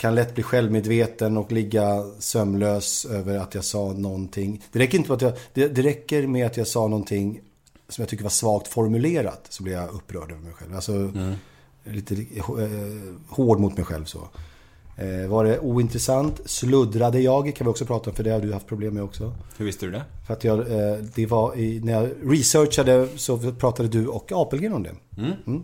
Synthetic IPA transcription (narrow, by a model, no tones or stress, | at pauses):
kʰanlɛt̪ːbliːɧɛlvmeːd̪veːt̪ənɔklɪɡːasœmːløːsøːvəɾat̪jɑːɡsɑːnɔnt̪ʰɪŋːd̪̥ɛɾɛkːɾɪnt̪əmɛat̪jad̪̥ɛd̪ɛɾɛkːəɾmɛat̪jɑːɡsɑːnɔnt̪ʰɪŋː | sɔmjaɡt̪ʰʏkːəɾvaʂvɑːkt̪fɔɾmɵleːɾa̰d̪sɔblɪvjaɵpːɾœːɖøːvəɾmɛjɧɛ̰lvalsɔ | liːt̪əh | hoːɖmʊt̪mɛjɧɛ̰lvso̰ː | vaɖɛʔuːɪnt̪ɾɛsant̪slɵd̪ɾad̪əjɑːɡkʰanvɪɔksɔpʰɾɑːt̪aɔmfœɖɛhaɖ̪ɵhaft̪̚pʰɾʊbleːmːɛɔksɔhʉvɪst̪əd̪d̪ɛfœɾat̪jɑːɡd̪ɛvaɪnæɾjɑɾɪsœʂad̪əsɔpʰɾɑːt̪ad̪əd̪ɵɔkːɑːpɛlɡenɔmd̪ɛ̰m̩